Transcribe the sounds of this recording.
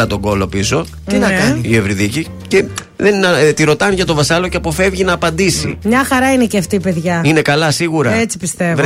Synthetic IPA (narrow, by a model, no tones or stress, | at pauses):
ɐt̪o̞ɡo̞lo̞pizo̞ | inɐɐnievɾiðici | ce | ðent̪iɾo̞t̪ɐnʝɐt̪o̞vɐsɐlo̞ceɐpo̞fe̞vʝinɐːpɐnd̪isḭmɲɐxɐɾɐineceɐft̪iːpe̞ðʝɐinekɐlɐsiɣuɾɐet͡si̥pist̪evv